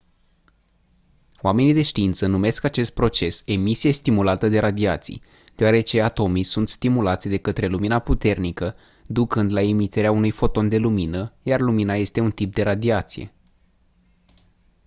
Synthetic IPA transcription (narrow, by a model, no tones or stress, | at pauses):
oame̞nid̪e̞ʃt̪iint̪sənume̞skat͡ʃe̞st̪̚pɾo̞t͡ʃe̞se̞misije̞st̪imulat̪əd̪e̞ɾad̪iat̪sḭj | d̪̥eoaɾe̞t͡ʃe̞at̪o̞mijsunt̪st̪imulat̪sʲd̪e̞kət̪ɾe̞luminaput̪e̞rnikə | d̪ukɨnd̪laemit̪eɾeaunujfo̞t̪o̞nd̪e̞luminəjarluminaje̞st̪e̞unt̪ip̚d̪e̞ɾad̪iat̪sije̞̰